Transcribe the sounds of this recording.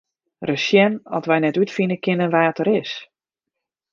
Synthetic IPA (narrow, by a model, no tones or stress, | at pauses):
rəsjɛnɔtʋɛjnɛtytfinəkɪnənʋaːtəɾɪs